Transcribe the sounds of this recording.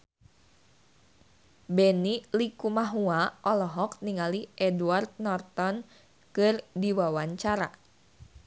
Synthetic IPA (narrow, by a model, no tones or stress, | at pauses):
bɛnilikumaɦuaʔɔlɔɦɔkniŋaliʔɛduart̪̚nɔrt̪ɔn | kɨrdiwawaɲt͡ʃaɾa̰